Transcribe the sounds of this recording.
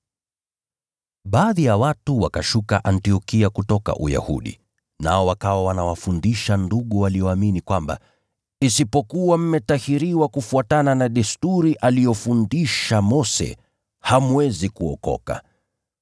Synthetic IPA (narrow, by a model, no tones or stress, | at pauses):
ɓaːðijawatuwakaʃukaʔantiɔkiakutɔka̰ʔuja̰hṵɗḭ | na̰ɔwakawawanawafundiʃanduɠuwalijɔaminikwamba̰ | isipɔkuwam̩mɛtahiɾiwakufuatananaɗɛstuɾiʔalijɔfundiʃamɔsɛ̰ | hamwɛzikuɔ̰kɔ̰ka̰